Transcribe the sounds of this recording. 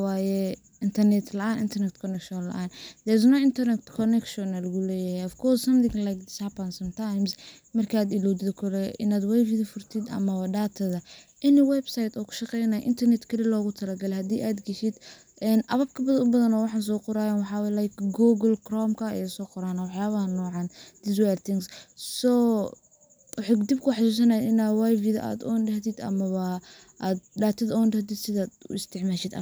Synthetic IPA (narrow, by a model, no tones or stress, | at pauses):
waːjɛ | ɪnt̪ʰɐrnɛt̪ʰlɐʔaːnɪ̰nt̪ʰɐrnɛt̪kʰɔnɛkʃɔnlɐ̰ʔaːnd̪ɛɾs̬nɔɪnt̪ʰɐrnɛkt̪kʰɔnɛkʃɔnɐlɐɣʊlɛːjɐhɛɔfkʰɔrssɐmd̪ɪŋlajkd̪ɪsapɐnsɐmt̪ʰajms | mɐrkʰaːd̪ɪlɔd̪ɪðɔkʰɔlɛʔɪ̰naːd̪wɛjfiðifʊrt̪ʰid̪ɐ̰mɐwɐdaːt̪ʰɐðɐʔɪnɪwɛbsajt̪ɔːkʰʊ̥ʃɑqɛjnaj̰ʔɪ̰nt̪ʰɐrnɛt̪kʰɐlɪlɔːɣʊt̪ʰɐlɐɡɐlɛhɐd̪iːʔaːd̪ɡɐʃɪd̪ | ʔɛnʔɐβɐb̚kʰɐbɐðɐnʊbɐðɐnɔːwɑħɑːns̬ɔːqʊɾaːjaːnwɑħɑːwlajkɡuːɡɐlkrɔmkʰɐɛsɔːqʊɾaːnɐwɑħjaːβɐɐnɔːʕɑːnd̪̥ɪsʊɛlt̪ʰɪŋssɔː | wɑħad̪ib̚kʰʊħɑsuːs̬ɐnɐjɐʔɪnawajviðɐ̰ʔa̰ːd̪ɔnɖɐɦt̪ɪd̪ɐ̰mɐβɐ | aːd̪ɖaːt̪ʰɐðɐɔnɖɐht̪id̪sɪðaːd̪ʊ̰ɪst̪ʰɪʕmaːʃɪd̪ɐ̰